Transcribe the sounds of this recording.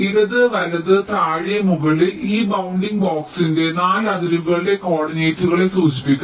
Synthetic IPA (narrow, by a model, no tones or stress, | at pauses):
iɾɐðɨʋɐlɐðɨt̪aːɻijɐmuɣɐɭiliːbɐwuɳɖiŋɡboːksinde̞naːlɐðiɾuɣɐɭide̞ko̞ːɽɐɲeːtːuɣɐɭesuːd͡ʑi̥pːikʲːu